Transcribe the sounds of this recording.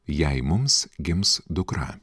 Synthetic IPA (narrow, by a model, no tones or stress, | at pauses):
jɛɪmʊmsɡʲɪmsd̪ʊkɾɑ̰